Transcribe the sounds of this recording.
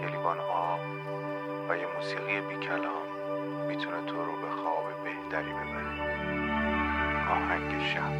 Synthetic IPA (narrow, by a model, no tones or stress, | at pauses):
elibɒːnɒːb | væjemuːsiːɣijebiːcʰælɒːnː | it̪ʰunet̪ʰoɾobexɒːbebeht̪ʰæɾiːbe̞bæɾe | ɒːhæŋɟeʃæ